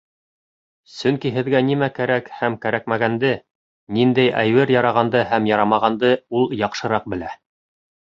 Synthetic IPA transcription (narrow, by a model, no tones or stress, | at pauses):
sɵŋkiɦɘ̆ðɡænimækæɾækhæmkæɾæk̚mæɡænd̪ɘ | nind̪æjʔæ̰jwɘɾjɑɾɑʁɑnd̪ɤhæmjɑɾɑmɑʁɑnd̪ɤulˠjɑqʃɤ̆ɾɑq̚bɘ̆læ